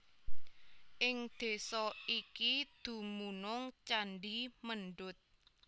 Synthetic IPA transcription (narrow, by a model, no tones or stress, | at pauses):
ʔɪŋd̪̥e̤sɔikid̪̥ṳmunʊŋt͡ʃanɖimənɖʊt̪̚